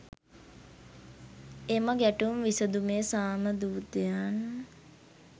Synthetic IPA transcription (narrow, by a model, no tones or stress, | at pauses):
eːmaɡæʈumʋisəd̪umeːsaːməd̪uːt̪jan